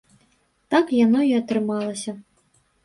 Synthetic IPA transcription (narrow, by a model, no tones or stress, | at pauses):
t̪akjanɔiɐt̪ɾɨmɑlˠɐsʲɐ